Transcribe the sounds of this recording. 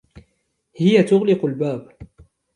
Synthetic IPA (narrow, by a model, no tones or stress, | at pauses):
hɪjat̪ʊɣlɪqʊlbaːb